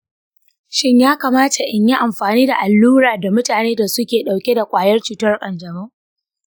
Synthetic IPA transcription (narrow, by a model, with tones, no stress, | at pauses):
ʃɪ˦ɲjaː˦kaː˨maː˦tʰa˨ʔɪ˨ɲji˦ʔa˨mɸaː˨niː˦da˨ʔa˨lːuː˦ɾaː˨da˨mʊ˦taː˨neː˦da˨sʊ˦kʲeː˨ɗa˨wkʲe˦da˨kʷʼaː˨jɐ˦rt͡ʃuː˨tɐ˦rkʼɐ˨nd͡ʒɐ˨mʊ˦ŋ